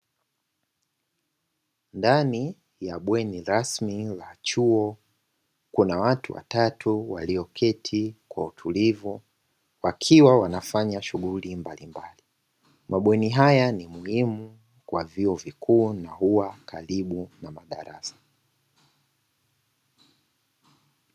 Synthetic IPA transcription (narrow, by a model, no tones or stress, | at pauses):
ndani | jaɓwɛniɾasmilat͡ʃuɔ | kunawatuwa̰tatʰuwa̰liɔkʰɛtʰikwautʰulivu | wakʰiwawanafaɲaʃuɣulimbalimbali | mʔaɓwɛniɦajanimuhimu | kwaviɔvikʰuːnahuwakaɾiɓunamaɗa̰ɾa̰sḁ